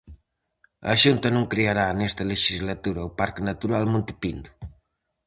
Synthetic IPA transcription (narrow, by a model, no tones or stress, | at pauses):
ɐ̰ʃunt̪ɐnõŋkɾeaɾanɛst̪ɐleʃizlat̪uɾɐupaɾknat̪uɾalmõnt̪epind̪u